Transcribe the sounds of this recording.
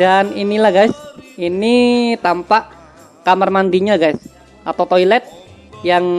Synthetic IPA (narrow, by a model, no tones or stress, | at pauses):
daninilahɡajsinit̪ampaʔ | kamərmandiɲaɡajs | at̪awt̪oilɛt̪̚ | jaŋ